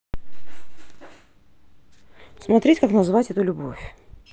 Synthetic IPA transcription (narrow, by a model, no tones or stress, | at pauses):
smɐt̪ɾʲetʲkaknɐzɨvatʲɛt̪ʊlʲʊbo̰fʲ